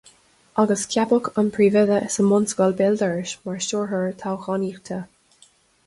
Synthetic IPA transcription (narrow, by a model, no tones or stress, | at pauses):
ʔaɡəskʰjabʊkʰənpʰɹiːvɪðəʔsəmɔnsɡɔlbɪld̪əɹɪʃmaɹʃɔɹɦəɹt̪ʰawxɔniːxt̪ʰə